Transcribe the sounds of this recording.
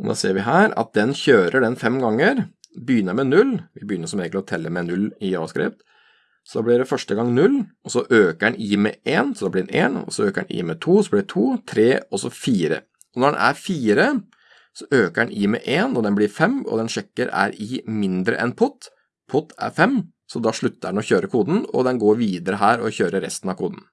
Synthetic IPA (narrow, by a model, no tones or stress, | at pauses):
ɔd̪ɑ̰ːseːɾʋɪɦæːɾɑ̰t̪̚d̪ɛnçøːɾəɖɛnfɛmɡɑŋːəɾbəjʏnːəmɛnʉlːʋɪbəjʏnːəsɔmeɡt̪lɪɔt̪ʰɛlːəmɛnʉlːɪɑskɾɪ̰p̚t̪ | sɔd̪ɑːblɪɖɛfœʂʈəɡɑŋnʉlːɔsɔʔøːkəɾɛniːmɛ̰ʔeːnsɔd̪ɑːblɪɾɛʔḛːnɔ̰sɔøːkəɾɛ̰nʔḭːmɛt̪ʰuːsɔblɪt̪ʰuːt̪ʰɾeːɔsɔfiːɾə̰ | ɔnɔɾɖɛ̰nʔæ̰ɾfiːɾə | sɔʔøːkəɾɛnʔiːmɛ̰ʔeːnɔd̪ɛnblɪɾfɛmɔ̰d̪ɛnʂɛkːəɾæ̰ɾɪmɪnd̪ɾə̰ʔɛnpʰʊt̪ː | pʰʊt̪ʰːæ̰ɾfɛm | sɔd̪ɑʂɭʉt̪ːəɾɛnɔçøːɾəkʰuːd̪n̩ɔ̰d̪ɛnɡoːɾʋiːd̪əɾəɦæːɾɔçøːɾəɾɛ̰st̪nɑʋkʰuːd̪n̩